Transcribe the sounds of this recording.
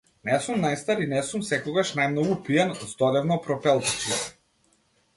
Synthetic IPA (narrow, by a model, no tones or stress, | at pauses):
nɛsumnajst̪aɾinɛsumsɛkɔɡaʃnajmnɔɡupiɛnzd̪ɔd̪ɛvnɔpɾɔpɛlˠt̪i̥t͡ʃiɛ